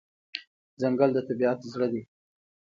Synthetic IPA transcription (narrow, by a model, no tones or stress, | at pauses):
zaŋɡald̪ət̪abiat̪zɽəd̪e